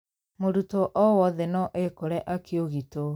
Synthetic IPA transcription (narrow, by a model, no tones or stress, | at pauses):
moɾutoʔɔwɔðɛnɔʔekoɾɛʔakʰeoɣito